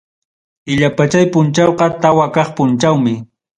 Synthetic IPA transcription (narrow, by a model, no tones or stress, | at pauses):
ɪʎapat͡ʃajpʊnt͡ʃɑwqɑt̪awakɑχpʊnt͡ʃawmɪ